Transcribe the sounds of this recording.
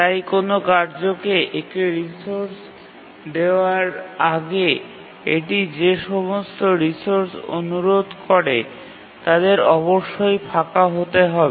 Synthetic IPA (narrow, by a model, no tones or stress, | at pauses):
t̪t̪ajkonokaɾd͡ʑokeʔekeɾisoɾs | d̪eoaɾaɡe | eʈ̬id͡ʑeʃɔmost̪oɾisoɾso̰nuɾod̪kʰɔɾe | t̪ad̪eɾɔboʃːojpʰakaɦot̪eɦɔbe